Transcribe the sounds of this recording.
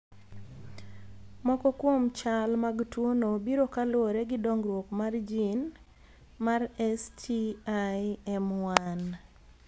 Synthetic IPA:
mɔkɔkwomt͡ʃalmaɡtwonobiɾokalwoɾeɡɪdɔŋɡɾwokmard͡ʒin | marɛstʰiajɛmwan

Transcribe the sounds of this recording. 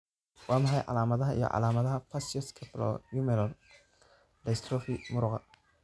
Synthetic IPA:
wɑːmɐħɑjʕɑ̰laːmɐðɐɦɐḭjɔ̰ʕɑ̰laːmɐðɐɦɐpʰɐsjɔskʰɐplɔ̰jumɛlɔn | dɐst̪ʰɾɔfimʊɾʊqɐ

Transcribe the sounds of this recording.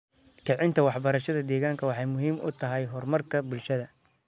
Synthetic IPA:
kʰɛʕɪnt̪ʰɐwɑħbɐɾɐʃɐðɐd̪ɛːɣaːŋkʰɐwɑħɑjmʊɦiːmʔʊ̰t̪ʰɐɦɛjɦɔrmɐrkʰɐbʊlʃɐðɐ

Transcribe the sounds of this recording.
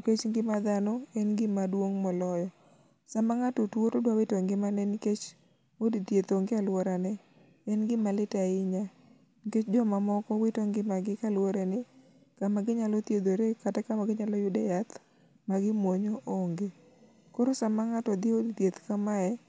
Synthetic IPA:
ket͡ʃŋɡɪmad̪anɔɛnɡɪmadwoŋmɔlɔjɔ | samaŋatotwoɾodwawɪtoŋɡɪmanɛniket͡ʃ | odit̪jet̪oŋɡɪalwɔɾanɛ | ɛnɡɪmalɪtaɪɲa | niket͡ʃd͡ʒɔmamɔkɔwɪtoŋɡɪmaɡɪkalwoɾɛnɛ | kamaɡɪɲalɔt̪jed̪oɾekatakamaɡɪɲalɔjʊdejat̪ | maɡɪmwoɲoʔoŋɡe | koɾosamaŋatɔd̪ɪodit̪jet̪kamaɛ

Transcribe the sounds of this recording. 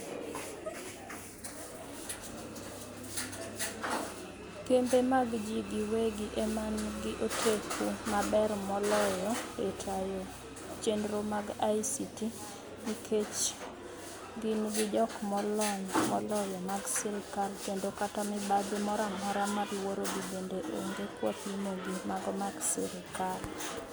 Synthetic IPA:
kembemaɡd͡ʒiɡɪweɡɪʔemanɡɪʔotʰekʰumabɛrmɔlɔjɔetʰajo | t͡ʃendɾomaɡaisiti | nikʰet͡ʃ | ɡɪnɡɪd͡ʒɔkmɔlɔnmɔlɔjɔmaɡsɛɾɪkalt͡ʃendokatamɪbadumɔɾamɔɾamaɾwoɾoɡibendeʔo̰ŋɡekwa̰pimoɡimaɡmaɡsḭɾɪkal

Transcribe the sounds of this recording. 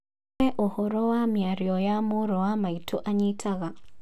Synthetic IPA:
ɛʔɔhɔɾɔwamjaɾjɔjamoɾɔwamaitʰoʔaɲitʰaɣa

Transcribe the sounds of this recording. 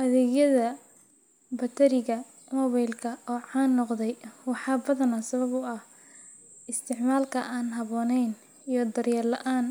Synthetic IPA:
ʔɐðɛːɣjɐðɐ | bɐt̪ʰɐɾɪɣɐ | mɔːβɛjlkʰɐɔːʕɑːnːɔqðɛjwɑħɑːbɐðɐnɐsɐβɐβʊɐh | ɪst̪ʰɪʕmaːlkʰɐʔaːnɦɐβɔːnɛjn | ijɞd̪ɐrjɐrlɐʔaːn

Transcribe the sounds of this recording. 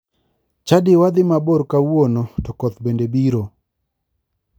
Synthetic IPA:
t͡ʃadɪwad̪ɪmaboɾkawonotɔkɔt̪bendebiɾo

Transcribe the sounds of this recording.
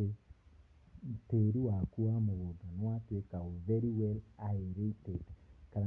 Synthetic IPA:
e | teɾuwakuamoɣodanwatwekaovɛɾiwɛlaeɾeitedkaɾa

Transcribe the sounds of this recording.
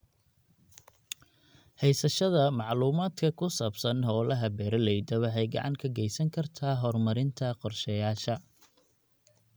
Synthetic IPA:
hɛjsɐʃɐðɐmɑʕluːmaːd̪kʰɐkʰʊsaːbsɐnɦɔːlɐɦɐbɛːɾɐlɛjd̪ɐwɑħɛjɡɑ̰ʕɑ̰ŋkʰɐɡɛjsɐŋkʰɐrt̪ʰaːɦɔrmɐɾɪnt̪ʰɐqɔrʃɛjaːʃɐ

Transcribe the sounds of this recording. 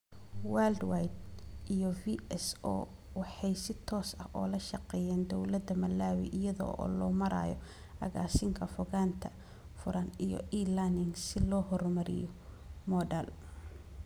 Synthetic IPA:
wald̪wajd̪̚ʔijɔviɛsɔ̰ː | wɑħɑjsɪt̪ʰɔːsɐhʔɔːlɐʃɑqɛːjɛːnd̪ɔwlɐd̪ɐmɐlːaːwḭʔɪjɐðɔ̰ɔ̰ːlɔːmɐɾa̰ːjɔ | ɐ̰ɣa̰ːsɪŋkʰɐfɔɣaːnt̪ʰɐ | fʊɾʔɐnijɔ̰iːlɐnɪŋsɪlɔːɦɔrmɐɾɪ̰jɔ | mɔːɖɐl

